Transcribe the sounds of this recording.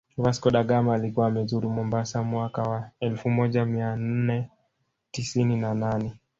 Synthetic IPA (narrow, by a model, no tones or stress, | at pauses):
vaskɔɗaɠamaːlikuwaːmɛzuɾumɔmbasamwakawaɛlfumɔʄamian̩nɛ | tisininananɛ